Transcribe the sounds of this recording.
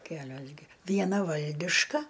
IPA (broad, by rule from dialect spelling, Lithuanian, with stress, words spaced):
ˈkʲæːlʲoːs ɡʲɪ ʋʲiɛˈnɐ ˈʋɐlʲdʲɪʃkɐ